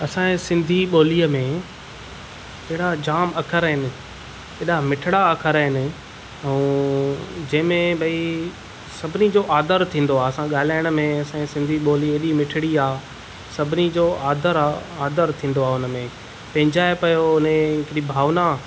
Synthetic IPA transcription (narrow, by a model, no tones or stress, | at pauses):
ɐsãsɪ̃nd̪ʱiɓoːliːəmẽ | t͡ɕɐɦɪɽad͡ʑaːmɐkʰəɾɦɪnɪ̆ | eːɗamɪʈʰɪɽaɐkʰəɾəɦɪnɪ̆ | ɛũː | d͡ʑɐ̃ɦɪ̃mẽbʱɐi | sɐbʱɪnid͡ʑoʔaːd̪əɾt̪ʰĩːn̆d̪oaːɐsãɠaːlaːɪəɽ̃əmẽɐsãsɪ̃nd̪ʱiɓoːlieːɗimɪʈʰɪɽiaː | sɐbʱɪnid͡ʑoːʔaːd̪ʱəɾaaːd̪əɾt̪ʰĩːnd̪oaːʊnəmẽ | pɐ̃ɦɪ̃ɲd͡ʑaːepɐjoʊnẽɪkɪɾibʱaːʋna